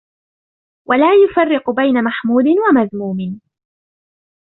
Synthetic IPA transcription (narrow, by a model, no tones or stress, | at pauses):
wʔalaːjʊfarːɪqʊbajnamaħmuːd̪ɪnwamaðmuːmɪn